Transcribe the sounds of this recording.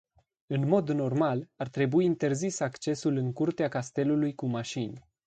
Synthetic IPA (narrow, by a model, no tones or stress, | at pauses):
ɨnmo̞d̪no̞rmalart̪ɾe̞buiːnt̪e̞rzisakt͡ʃe̞sulɨŋkurt̪eakast̪e̞lulujkumaʃinʲ